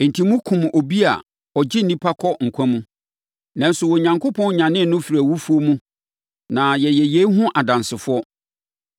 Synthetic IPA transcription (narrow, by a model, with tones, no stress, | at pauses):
n̩˨tʰĩ˨mũ˦kʰũ˨mo˨bi˦a̰˨ | ɔ˨d͡ʑɪ˦n̩˨nĩ˦pʰa˦kʰɔ˦ŋ̩˨kʷʰã˦mũ˦ | nã˨˦n̩˦sʊ˨wɔ˨ɲã˨ŋkʰʊ˦pʰɔ̃˦n˦ɲã˨nɪ̃˦˨nʊ̃˦fi˨ɾæ˨wu˦fu˦o˦mũ˦ | nã˨jɛ˨jɛ˨je˦ɦʊ̃˦ʔa˨dã˨nsɪ˨fʊ˦ɔ˦